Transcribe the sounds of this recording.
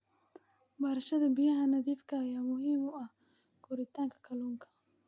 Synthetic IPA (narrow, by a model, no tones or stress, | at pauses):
bɐɾɐʃɐðɐbɪjɐɦɐnɐðiːfkʰɐːjaːmʊɦiːmʊɐh | ɡ̥ʰʊɾɪt̪ʰaːŋkʰɐ̥kʰɐluːŋkʰɐ̥